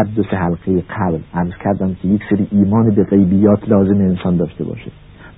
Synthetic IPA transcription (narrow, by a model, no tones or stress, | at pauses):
æɾd̪osehælɢejeɢæblʔæɾz̥cʰæɾd̪æmkʲʰe̞jekseɾiːʔiːmɒːnebeɣejbijːɒːt̪ʰlɒːzemeːnsɒːnd̪ɒːʃt̪e̞̰bɒ̰ːʃed̪